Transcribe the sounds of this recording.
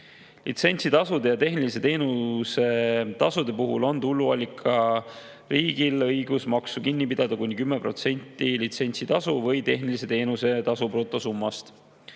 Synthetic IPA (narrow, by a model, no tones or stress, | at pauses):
lit̪se̞nʲsit̪ɑsud̪e̞jɑt̪e̞ɦnilis̬e̞t̪e̞ːnuse̞t̪ɑsud̪̥e̞puɦulo̞nt̪ulːuɑlʲikʰɑ | riːɡ̥ilɤjɡ̥usmɑksukinʲːipid̪̥ɑd̪ɑkunʲːikymːepro̞̰t̪se̞nʲt̪ːˑilit̪se̞nʲsit̪ɑsuvɤjt̪e̞ɦnilis̬e̞t̪e̞ːnuse̞t̪ɑsupro̞ːt̪ːˑo̞sumːɑst̪